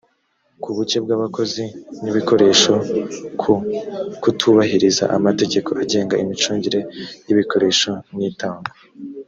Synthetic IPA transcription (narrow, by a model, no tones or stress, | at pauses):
kuβut͡ʃe̞b̚ɡaːβako̞ziniβiko̞ɾe̞ːʃo | kutʰuβaɦiɾiza̰ʔamate̞ɟe̞ko̞aɟe̞ːŋɡaimit͡ʃuːɲɟiɾe̞jiβiko̞ɾe̞ːʃonitaːŋɡo